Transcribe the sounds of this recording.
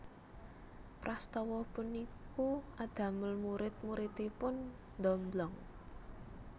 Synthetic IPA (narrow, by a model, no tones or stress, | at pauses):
pɾast̪ɔwɔpʊnikuʔad̪̥a̤məlmuɾɪt̪̚muɾit̪ipʊn | d̪ɔmblɔŋ